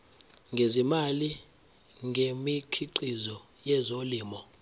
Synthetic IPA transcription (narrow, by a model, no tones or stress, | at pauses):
ŋɡʱezimali | ŋʱemikʰiǃizɔ | jɛzoliːmɔ